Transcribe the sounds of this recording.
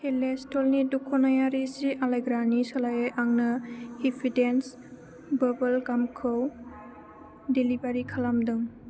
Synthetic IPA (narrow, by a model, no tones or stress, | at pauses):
helestɔlnidukʰɔnajaɾisiʔalajɡɾanisɔlajejʔaŋnɯhipʰidens | bɐbɐlkamkʰɯw | dilibaɾikʰalamdɯŋ